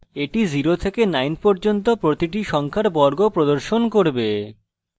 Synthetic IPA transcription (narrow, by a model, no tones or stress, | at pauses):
eʈid͡ʑiɾot̪ʰekenajnpɔɾd͡ʑont̪opɾot̪iʈ̬iʃɔŋkʰaɾbɔɾɡopɾod̪oɾʃonkoɾbe